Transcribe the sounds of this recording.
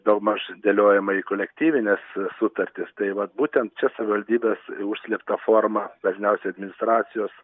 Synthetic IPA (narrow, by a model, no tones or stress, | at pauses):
d̪oːɡmɐʃd̪ʲeːlʲoːjɛmɐiːkoːlʲɛkt̪ʲiːʋʲɪnʲeːssʊt̪ɐɾʲt̪ʲɪst̪ɐɪʋɐt̪buːt̪ʲɛnt̪̚t͡ʃʲɛsɐʋʲɪʋɐlʲd̪ʲiːbʲeːsʊʃʲsʲlʲept̪ɐfoːrmɐbɐzʲnʲɛʊsʲɛɪɐd̪ʲmʲɪnʲɪst̪ɾɑːsʲɪjoːs